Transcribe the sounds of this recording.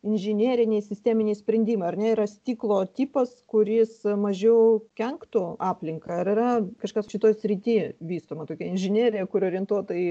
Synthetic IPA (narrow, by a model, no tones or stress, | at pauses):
ɪnʲʒʲɪnʲeːɾʲɪnʲeːsʲɪsʲt̪ʲæːmʲɪnʲeːsʲpʲɾʲɛnʲd̪ʲiːmɐɪɐrnʲɛɪɾɐsʲt̪ʲiːklˠoːt̪ʲiːpɐskʊɾʲɪsmɐʒʲɛʊkʲɛŋkt̪ʊɑːpʲlʲɪŋkɐɐɾɪɾɐkɐʃkɐsʃʲɪt̪oːjsʲɾʲɪt̪ʲiːʋʲiːst̪oːmɐt̪oːkʲɛɪnʲʒʲɪnʲiːɾʲɪjɛkʊɾʲoːɾʲiɛnt̪uɔt̪oɪ